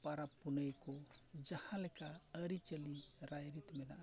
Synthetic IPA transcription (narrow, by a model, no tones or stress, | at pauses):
paɾapːunəjkod͡ʒahãlɛkaəɾit͡ʃəliɾajɾit̪mɛna̰ʔ